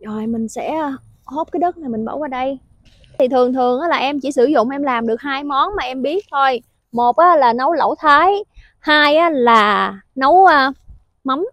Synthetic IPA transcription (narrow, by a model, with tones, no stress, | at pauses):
zɔ˨˩jmï˨˩ŋ̟sɛ̰˧˥˧ | ho˦˥p̚ka˨˦jɗə˦˥t̚naː˨˩mï˨˩ŋɓə̰˧˩wvaː˨˩ɗə˧j | t̪ʰi˨˩t̪ʰɨ˨˩əŋt̪ʰɨ˨˩əŋʔaː˨˦laː˨˩ʔɛ˧mt͡ɕi˧˩sɨ˧˩zʊ̰˧˨ŋ͡mʔɛ˧mlaː˨˩mɗɨ˨˩ək̚haː˧jmɔ˨˦nmaː˨˩ʔɛ˧mɓi˦˥ət̚t̪ʰo˧j | mo˨˩t̚ʔaː˨˦laː˨˩nə˨˦wlə̰˧˩wt̪ʰaː˨˦j | haː˧jʔaː˨˦laː˨˩nə˨˦wə˧ | ma˨˦m